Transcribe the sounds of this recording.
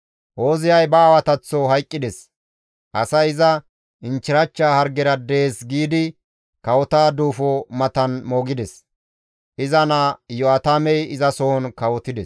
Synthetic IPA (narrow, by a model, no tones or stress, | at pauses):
ʔoːzɪjɐjbɐːwɐt̪ɐt͡sːɔɦɐjkʼːɪd̪ɛs | ʔɐsɐjɪzɐ | ɪnt͡ʃːɪɾɐt͡ʃːaːhɐɾɡɛɾɐd̪e̞ːsɡiːd̪ɪ | kɐwɔt̪aːd̪uːfɔmɐt̪ɐnmoːɡɪd̪ɛs | ʔɪzɐnɐjɔɐt̪amɛjɪzɐsɔhɔnkɐwɔt̪ɪd̪ɛs